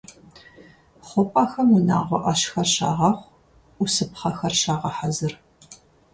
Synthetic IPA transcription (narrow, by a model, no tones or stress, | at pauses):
χʷʊpʼaːxɐmuna̰ːʁʷɔʔɐʃxɐrɕa̰ːʁɑχʷ | usɨpχɐxɐrʃaːʁɐħazɨr